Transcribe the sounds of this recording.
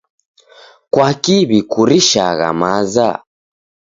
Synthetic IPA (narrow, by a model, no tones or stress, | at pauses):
kwakiβikuɾiʃaɣa̰maza̰